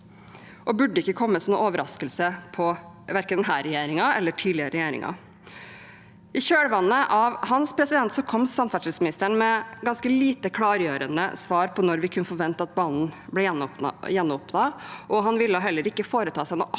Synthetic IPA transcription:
ʔɔbʉɖːəɪkːəkʰɔmːəsɔmnṵːɔʋəɾɑskəlsəpʰɔ | ʋæɾkənd̪ɛnɦæːɾɛjeːɾɪŋɑɛlːəʈʰiːlɪəɾəɾɛjeːɾɪ̰ŋʔɑ̰ | ʔɪɕøːɽəʋɑnːəʔɑʋhɑnspʰɾɛsɪd̪ɛnt̪sɔkʰɔmsɑnfæʂɪsmɪnɪst̪əɳmɛɡɑnskəliːt̪əkʰɽɑːɾjøːɾənə̰sʋɑːɾpʰɔnɔɾʋɪkʰʉnːəfɔɾʋɛnt̪ɑɑt̪̚bɑːnnblɛjɛnjɛnːʊpnɑʔɔɦɑnʋɪlːəɦɛlːəɾɪkːəfoːɾət̪ʰɑːsæɪnɔ

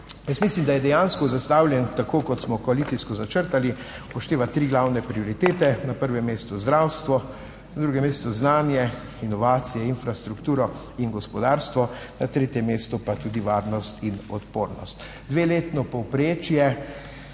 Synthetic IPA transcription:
jəsmislimd̪ajɛd̪ɛjaːnskɔzast̪awljɛnt̪akoːkɔt̪smɔkɔalit̪siskɔzat͡ʃəɾt̪ali | pɔʃt̪eːʋat̪ɾiːɡlawnɛpɾiɔɾit̪eːt̪ɛnapəɾʋɛmːeːst̪uzd̪ɾawst̪ʋɔ | nad̪ɾuːɡɛmːeːst̪ɔznaːnjɛ | inɔʋaːt̪sijɛinfɾast̪ɾukt̪uːɾɔ | inɡɔspɔd̪aːɾst̪ʋɔnat̪ɾeːt̪jɛmːeːst̪ɔpat̪uːd̪iʋaːɾnɔst̪ʰinɔt̪poːɾnɔ̰st̪ | d̪ʋeːleːt̪nɔpɔwpɾeːt͡ʃjɛ

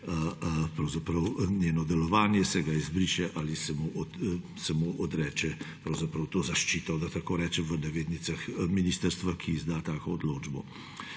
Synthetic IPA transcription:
əpɾɐwzapɾɐwnʲjeːnɔd̪ɛlɔʋaːnjɛsɛɡaizbɾiːʃɛʔalisɛmuʔɔ | sɛmuʔɔd̪ɾɛːt͡ʃɛpɾɐwzapɾɐwt̪oːzaʃt͡ʃiːt̪ɔd̪at̪akoːɾɛːt͡ʃɛʋənɛʋeːd̪nisaxminiːst̪əɾst̪ʋakʰiːzd̪aːt̪aːkɔːd̪loːd͡ʒbɔ̰

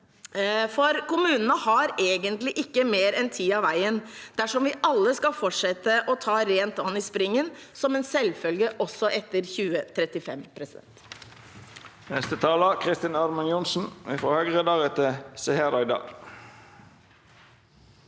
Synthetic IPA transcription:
fɔɾkʊmʉːnənəhɑɾeːɡənt̪lɪʔɪkːəmeːɾɛnt̪ʰiːɑʋæɪənd̪̥æʂɔmʋɪʔɑlːəskɑlfɔʈʂɛt̪ːəʔɔt̪ʰɑːɾeːnt̪ɑnːɪspɾɪŋːənsɔmɛːnsɛlfœlɡəʔɔsːɔʔɛt̪ːəɾçʉːət̪ʰɾɛt̪ɪfɛ̰mpʰɾɛsɪd̪ɛ̰nt̪ | nɛst̪ət̪ʰɑːləkʰʁɪst̪ɪnɑɾmɑnjʊnsn̩ɪfʁoːhœɡʁəd̪ɑːɡət̪ʰɪsɛheɾɑɪd̪ɑ̰ːɡ

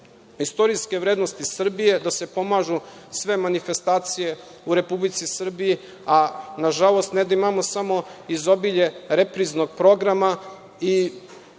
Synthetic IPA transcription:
ist̪o̞ɾiske̞ʋɾeːd̪nost̪isr̩bije̞d̪ase̞po̞maʒu | sʋe̞manife̞st̪aːt̪sije̞ | uɾe̞publit̪sisr̩biji | anaʒalˠo̞st̪ned̪aimamo̞samo̞izo̞biʎe̞ɾepɾizno̞ɡ̚pɾo̞ɡɾama | i

